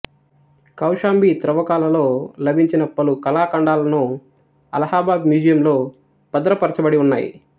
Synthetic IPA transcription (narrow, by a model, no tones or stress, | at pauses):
kɐwʂaːmbit̪ɾɐʋɐkaːlɐlo̞ːlɐbʱiɲt͡ʃinɐpɐlukɐlaːkɐɳɖaːlɐnu | ɐ̰lɐhaːbaːbmjuːd͡ʒɐjɐmlo̞ː | pɐd̪ɐɾɐpɐɾɐt͡ʃɐbɐɽiunːaːjḭ